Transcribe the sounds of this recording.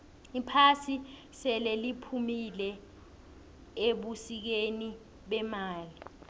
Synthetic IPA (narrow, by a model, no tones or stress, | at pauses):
ipʰasi | sɛlɛlipʰumilɛ | eɓusik̬eni | ɓɛmaːli